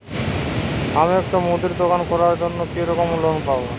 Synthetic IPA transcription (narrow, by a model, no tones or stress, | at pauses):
amiɛk̚ʈamud̪iɾd̪okankɔɾaɾd͡ʑonːokeɾɔkomulonpabo